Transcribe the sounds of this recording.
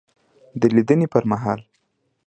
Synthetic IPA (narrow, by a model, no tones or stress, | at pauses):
d̪əlid̪ənipəɾmaɦɑl